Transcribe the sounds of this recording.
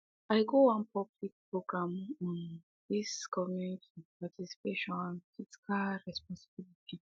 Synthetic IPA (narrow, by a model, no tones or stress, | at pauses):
ajɡowãnpʰablik̚pɹoɡɹãmɔ̃n | diskʰɔmjunitʰipatisi̥peʃɔ̃nãnfitkʰaɹɛspɔ̃nsi̥bilitʰi